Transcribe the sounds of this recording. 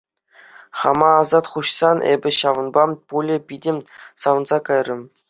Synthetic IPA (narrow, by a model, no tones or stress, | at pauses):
χɑmɑːzɑt̪χuɕsɑnʔḛbʲɘ̆ɕɑʋɤ̆nbɑpulʲɘ̆pʲidʲɘmʲsɑʋɤ̆nzɑkɑjrʲɘ̆m